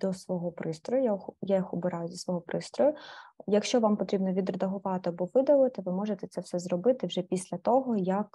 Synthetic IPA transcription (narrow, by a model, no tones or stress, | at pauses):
d̪ɔsʋɔɦɔpɾɪst̪ɾɔjʊjajajixʊbɪɾɑjʊd̪ɔsʋɔɦɔpɾɪst̪ɾɔjʊjɐkʃt͡ʃɔʋɑmpɔt̪ɾʲibnɔʋʲid̪rɐd̪ɐɦʊʋɑt̪ɪɐbɔʋɪd̪ɐlˠɪt̪ɪʋɪmɔʒet̪ɛt̪sɛwsɛzɾɔbɪt̪ɪwʒɛpʲisʲlʲɐt̪ɔɦɔjɐk